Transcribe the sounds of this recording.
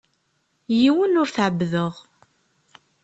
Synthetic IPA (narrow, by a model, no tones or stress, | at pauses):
jiwənʊɾθʕəbːðəʁ